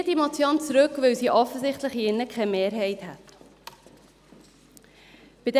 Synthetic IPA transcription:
dimɔt͡sjɑnt͡sɾɵkʋœwsiʔɔfəsɪχt̪ləχiɪnːəkχɛmeːɾɦɛɪthæt | b̥id

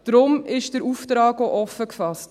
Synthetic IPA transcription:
d̥ɾʊmɪʃd̥əɾuːftɾɑːɡoʔɔfəkfɑst

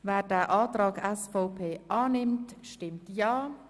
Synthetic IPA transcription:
vɛːdɛːʔaːtʁaːɡɛsfoʊpʰeːʔaːnɪmtʃtɪmtjaː

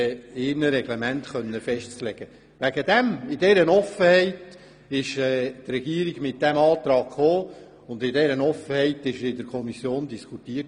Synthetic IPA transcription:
ɪɾnəɾɛɡlemæntχœnːəfɛʃtt͡slɛɡ̥ə | ʋæɡəd̪ɛmɪd̥ɛɾənɔfəhɛɪt | ɪʃɛːt̪rɛɡiəɾiɡmɪt̚d̥æmɑːt̪ɾɑːɡχoː | ʊndɪdɛɾənɔfəhɛɪtɪʃəɪdəɾkʰɔmisjoːndiskʰut̪iət

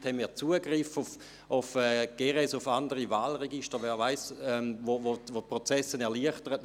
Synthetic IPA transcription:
thɛnmiːɐt͡suəɡʁɪfʊf | ʊfɛːɡ̥eːʁɛsʊfandəʁivaːlʁeɡiʃtəʋɛːvaɪsɛovoʋopʁot͡sɛsənɛɐliəχtəʁət

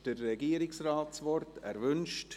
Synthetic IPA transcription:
d̥ərːɛɡiːəɾɪksraːtsʋɔrtɛɾvʏnʃt

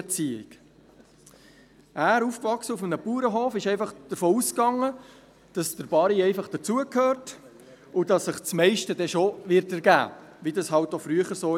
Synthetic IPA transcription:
t͡siːɪ̰k | ʔæːɾuːfkvɑχsəufmənəpuːɾəɦoːfɪʃɛɪfɑχd̥əɾfoːuskɑŋə | d̥ɑsd̥əɾb̥ɑɾiɛɪfɑχd̥ət͡suəkʰhøːɾt | ʊdɑsːəχt͡smɛɪʃtədɛʃoʋɪɾtæɾɡæ̰ːʋidɑsɦɑlt̚ːofɾyəχəɾsoː

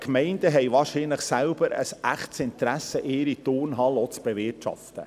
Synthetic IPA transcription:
kmɛɪndəɦɛjvɑːɾʃinləχsælb̥əɾə̰sæχtsɪntɾæsəʔeːɾit̪ʊːrnɦɑlɔt͡sb̥evɪtʃɑ̰ft̪ə̰

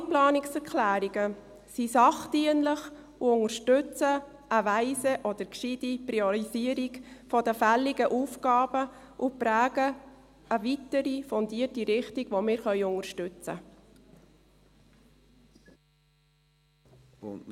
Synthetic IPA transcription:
plɑːnɪksɛɾkʰlæːɾiɡə | sisɑχdiənləχ | uʊŋəɾʃtʏt͡sə | əʋæɪsəʔɔd̪əɾkʃid̥ipɾiɔɾiziəɾiɡfɔd̥̪əfælːiɡəʔuːfɡ̥ɑːb̥ə | ʔʊpɾæːɡə | əʋitəɾifɔndiətiɾɪχtiɡ̥ʋɔmɪːɾχœʏʊŋərʃtʉt͡sə̰

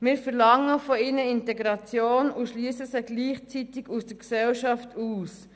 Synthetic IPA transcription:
mɪːɾfɛɾlɑŋəfɔɪnəɪntɛɡɾɑt͡sjoːnuʃlyːsəsəɡ̥liːχt͡sitɪɡusd̥əɾksɛlʃɑftʰuːs

